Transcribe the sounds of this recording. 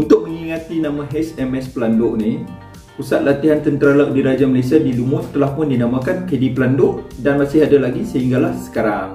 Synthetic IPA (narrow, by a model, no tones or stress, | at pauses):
unt̪ʊk̚məŋiŋat̪inãmãɦɛsɛmɛspəlandʊʔni | pusat̪̚lat̪iɦant̪ənt̪əɾalaʔ̚diɾad͡ʒaməlajsiadilumʊʔt̪ːəlahpʊndinamakankədipəlandʊʔdanmasɪɦadalaɡisəɦiŋɡalahsə̥kaɾaŋ